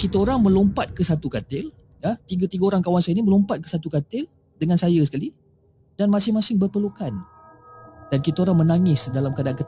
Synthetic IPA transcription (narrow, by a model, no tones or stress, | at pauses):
kit̪aoɾaŋmə̃lɔmpat̪̚kəsat̪ukat̪ɪl | jat̪iɡat̪iɡaoɾaŋkawansajənimə̃lɔmpat̪̚kəsat̪ukat̪ɪl | dəŋansajəsə̥kali | danmasɪŋmasɪŋbərpərlukan | dankit̪aoɾaŋmənaŋɪsdalamkadaʔankət̪